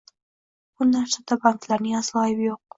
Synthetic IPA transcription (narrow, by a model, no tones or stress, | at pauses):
b̥ʊnaɾsad̪abaŋklaɾnɪŋaslˠɒjɪbjoq̚